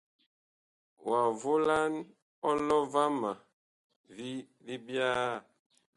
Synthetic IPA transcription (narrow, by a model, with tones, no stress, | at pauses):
wa˨vo˦la˦n | ɔ˦lɔ˦va˦ma˨ | vi˦ | li˦bjaː˦˨